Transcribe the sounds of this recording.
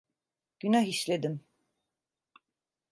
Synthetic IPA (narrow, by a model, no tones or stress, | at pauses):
ɟ̥ynaɦiʃlʲed̪im